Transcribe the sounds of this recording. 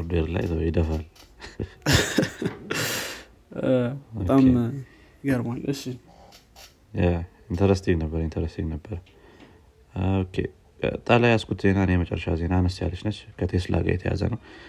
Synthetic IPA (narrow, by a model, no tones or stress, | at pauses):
ɾd̪weɾla̰jt̪ʰəd̪əfal | oam | ɡəɾmalɨʃːi | ja | int̪ʰəɾəst̪ibnəbːəɾəint̪ʰəɾəst̪ʰiβnəbːəɾə | okʰḛ | t̪ʼalajaskʰut̪ze̞naɨnejmət͡ʃʼɛ̰rːəʃaze̞nanəst̪ja̰lːət͡ʃnət͡ʃːkʰət̪ʰesɨlʔa̰ɡa̰jɛt̪ʰəja̰zə̰nəw